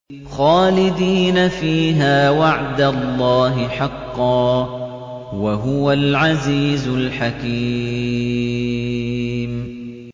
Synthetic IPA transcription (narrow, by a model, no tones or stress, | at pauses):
xaːlɪd̪iːnafiːɦaːwaʕd̪alˤːɑːɦɪħɑqːɑː | waɦʊwalʕaziːzʊlħakiː | m